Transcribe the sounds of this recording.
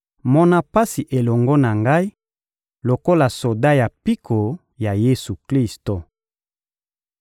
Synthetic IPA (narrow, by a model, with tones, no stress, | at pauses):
mɔ˦na˦pa˦si˨ʔe˨lɔ˨ŋɡɔ˦na˨ŋɡa˦i˦ | lo˨ko˦la˨so˨da˦ja˨pi˦kʰo˨ | ja˨je˦su˨kli˦sto˨